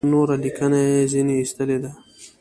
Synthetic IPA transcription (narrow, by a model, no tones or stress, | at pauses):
noɾalikənaezineist̪əled̪a